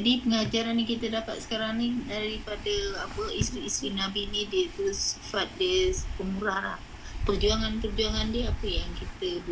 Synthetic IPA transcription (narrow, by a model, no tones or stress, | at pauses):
dipəŋad͡ʒaɾanjaŋkit̪ədapa̰t̪̚sə̥kaɾaŋnidaɾipadəapəist̪ɾiːst̪ɾinabinidiəit̪usi̥fat̪̚dəspəŋuɾaɾa̰ | pərd͡ʒuaŋanpərd͡ʒuaŋandiəapəjaŋkit̪əb